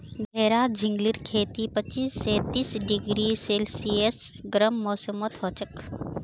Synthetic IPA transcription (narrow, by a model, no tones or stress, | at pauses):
ɡʱɛːɾaːd͡ʒʱɪ̃ŋɡliɾkʰeːt̪ipət͡ʃːiːsːeːt̪iːsɖɪɡɾiseːlsiesɡɾəmːɔːsəmət̪ɦoːt͡ʃək